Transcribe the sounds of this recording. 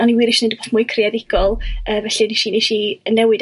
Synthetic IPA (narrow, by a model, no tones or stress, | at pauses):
ɔniwiːɾɪʃnedboːθmʊɨkʰrɪadɪɡ̥ɔlˠəːvɛɬiniʃineʃiənɛwɨd